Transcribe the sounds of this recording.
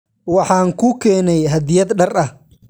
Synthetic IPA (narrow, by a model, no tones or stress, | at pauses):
wɑħɑːŋkʰukʰɛːnɛjɦɐd̪ɪjɐd̪ɖɐrɐh